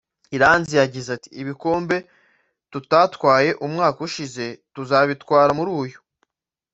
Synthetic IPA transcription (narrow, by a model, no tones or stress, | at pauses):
iɾaːnzijaɟizati̥ːβiko̞ːmbe̞ | tutatwaːje̞ʔumŋaːkuʃize̞tuzaβitkwaːɾamuɾuːjo